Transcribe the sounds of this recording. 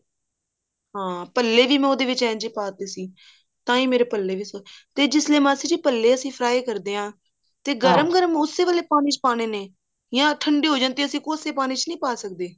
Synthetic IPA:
ɦãːpəlːeːʋiːmɛ̃ːoːd̪eːʋɪt͡ʃɛ̃ːnd͡ʒeːpaːt̪eːsiː | t̪ãːiːmeːɾeːpəlːeːʋiːsot̪eːd͡ʒɪsleːmãːsiːd͡ʒipəlːeːəsĩːpʰɾaːeːkəɾd̪eːãː | t̪eːɡəɾəmɡəɾəmʊsːeːʋəleːpaːɽ̃ĩːt͡ʃpaːɽ̃eːneː | jãːʈʰəɳɖeːɦoːd͡ʒãːnt̪eːəsĩːkoːseːpaːɽ̃iːt͡ʃnəĩːpaːsək̚d̪eː

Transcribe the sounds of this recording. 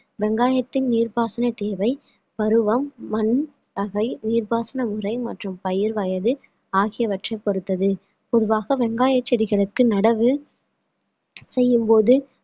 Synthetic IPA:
ʋɛŋɡaːjɐt̪ːɪnniːɾbaːsɐnɐt̪eːʋɐɪ | ʋɐɾɯʋɐmːɐn | tɐɣɐɪniːɾbaːsɐnɐmɯrɐɪmɐʈrɯmpɐjɪɾʋɐjɐðɯ | aːɣɪjɐʋɐʈrɐɪpːɔɾɯt̪ːɐðɯ | pɔðɯʋaːɣɐʋɛŋɡaːjɐt͡ʃːɛɽɪɣɐɭɯkːɯnɐɽɐʋɯ | sɛjːɯmpoːðɯ

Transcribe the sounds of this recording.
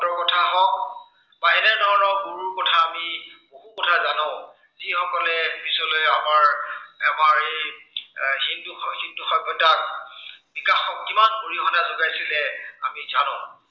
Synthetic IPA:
dɔɹkɔtʰaɦɔk̚ | baɦɛnɛɹnɔɦɔɹɔɡuɹuɹkɔtʰaːmiboɦukɔtʰazanɔ | zixɔkɔlɛpisɔlojamaɹɛmaɹej | hinduxhinduxaɡjɔtak̚bikaxɔk̚kimanbuɹixɔnazʊɡajsilɛa̰mizanʊ̃ʊ

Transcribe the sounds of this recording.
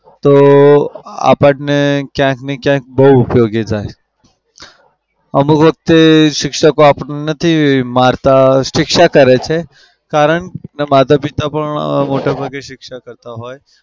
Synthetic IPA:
t̪o | a̰pəʈnekjãknekjãk̚bəɦuːpjoɡed͡ʒaj | əmukʋək̚t̪eʃɪkʃəkoapənenət̪ʰimaɾt̪aʃɪkʃakəɾet͡ʃʰe | kaɾəɳnemat̪apit̪apəɳ̰moʈabʱaɡeʃɪkʃakəɾt̪aɦoj

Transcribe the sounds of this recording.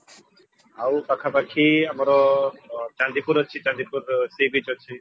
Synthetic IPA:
awpakʰapakʰiamɔɾɔ | t͡ʃand̪ipuɾɦɔt͡ʃʰit͡ʃãnd̪ipuɾsibid͡ʒɦɔt͡ʃʰi

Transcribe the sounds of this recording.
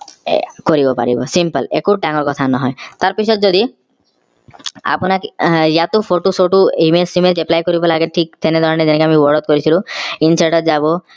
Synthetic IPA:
koɾibɔpa̰ɾḭbɔ̰simpəlḛkuɾʈaŋɔɾkɔt̪ʰanɔɦɔjt̪aɾpisʰɔt̪d͡ʒɔd̪i | a̰pɔnakjat̪upʰoʈusoʈuimesimed͡ʒeplajkɔɾibɔlaɡeʈʰik̚t̪ʰened̪waɾned͡ʒenekeamiwɔɾɔt̪̚kɔɾit͡ʃʰilũinsaʈɔt̪d͡ʒabo

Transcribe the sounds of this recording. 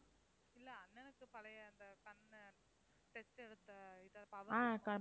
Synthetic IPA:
ɪlːɐɐnːɛnɯkːɯpɐlɐjɐɐnd̪ɐkɐn | ʈɛsʈɛɽɯt̪ːɐɪðɐpɐʋaːkɐ

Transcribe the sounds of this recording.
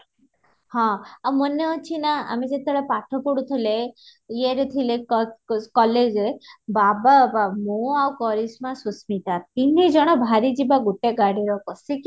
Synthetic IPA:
hɔ̃amɔneɔt͡ʃʰinaa̰mid͡ʒet̪eɽɔpaʈʰɔpɔɽut̪ʰilejeɾet̪ʰile | kɔled͡ʒebababamoawkɔled͡ʒmãsusmit̪at̪inid͡ʒɔɽ̃ɔbʱaɾid͡ʒibaɡuʈeɡaɽiɾɔkɔsik

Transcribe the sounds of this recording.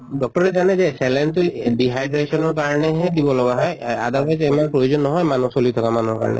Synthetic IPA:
ɖɔk̚ʈɔɾed͡ʒaned͡ʒeselentuɖiɦajdɾesɔnɔɹkaɹɔneɦed̪ibɔlɔɡaɦɔjad̪akajtemanpɾojod͡ʒɔnːɔɦɔjmanusolit̪ʰɔkamanɔɹka̰ɹɔ̰nḛ

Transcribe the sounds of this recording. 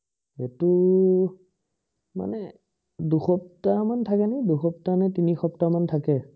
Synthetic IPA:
etu | ma̰nɛ | duxɔp̚tamantʰakɛnaiduxɔp̚tanɛtinixɔptamantʰakɛ

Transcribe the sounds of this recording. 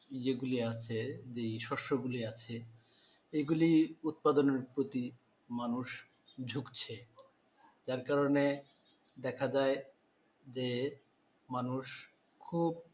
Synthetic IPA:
d͡ʑeɡuliat͡ɕʰed͡ʑejʃɔʃoɡuliat͡ɕʰe | eɡuliut̪̚pad̪oneɾpɾot̪i | manuʃ | d͡ʑʱukt͡ɕʰe | d͡ʑaɾkaɾone | d̪ɛkʰad͡ʑae | d͡ʑe | manuʃ | kʰub̚

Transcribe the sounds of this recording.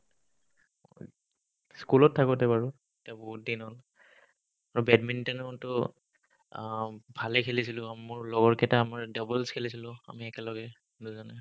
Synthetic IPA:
skulɔtʰːakɔtɛbaɹu | etiabɔɦut̚dinɔn | aɹubɛdmintɛnɔtʊ | bʱalɛkʰelisilʊ̃mʊɹlɔɡɔɹkɛtaːmaɹdɔbɛlskʰelisilʊ̃a̰miɛkɛlɔɡɛ | duzɔnɛ

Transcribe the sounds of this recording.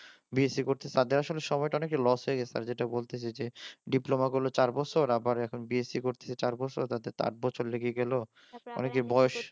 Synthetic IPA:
biesikoɾt̪ʰee̥t̪ad̪eɾaʃoleʃɔmɔeʈaɔnekʈalɔsɦoeɡɛt͡ɕʰet̪a̰ɾd͡ʑeʈabolt̪et͡ɕʰed͡ʑeɖiplomaɡulot͡ɕaɾbɔt͡ɕʰoɾabaɾɛkʰonbiesikoɾt̪ʰe̥t͡ɕʰet͡ɕaɾbɔt͡ɕʰoɾt̪ad̪eɾt̪a̰ʈ̚bɔt͡ɕʰoɾleɡieɡɛlo | ɔ̰nekeɾbɔoʃ

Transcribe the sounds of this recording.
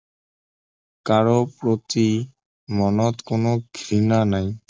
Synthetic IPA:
kaɾopɾot̪i | mɔnɔt̪konoɡʱɾinanaj

